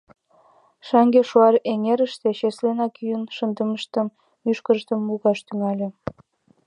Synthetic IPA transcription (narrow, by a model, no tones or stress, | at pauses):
ʃɑŋɡeʃuɑɾeŋeɾəʃt̪eʃeslenɑkyjənʃənd̪əməʃt̪əmː | yʃkərʃt̪əmːuɣɑʃt̪yŋɑlʲĕ